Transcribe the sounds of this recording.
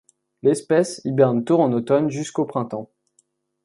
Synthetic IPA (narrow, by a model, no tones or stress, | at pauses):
lɛspɛsibɛʁnt̪uʁɑ̃not̪ɔnʒyskopχɛ̃t̪ɑ̃